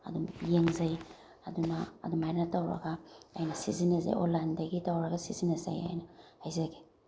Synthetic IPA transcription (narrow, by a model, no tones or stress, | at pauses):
a̰dumjeŋzaj | aduna̰ːdumajnatawɾɐ̰ɡaa̰jnɐsizineza̰jo̰landaɡitawɾɐɡasizinesa̰ja̰jnahajzaɡe̥